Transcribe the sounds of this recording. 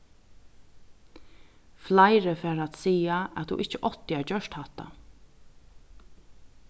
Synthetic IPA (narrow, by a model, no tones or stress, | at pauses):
flaɪɾəfɛːɾat̪siːaæt̪hṵʔɪht͡ʃːəʔɔt̪ɪæɹd͡ʒœʃt̪haht̪a̰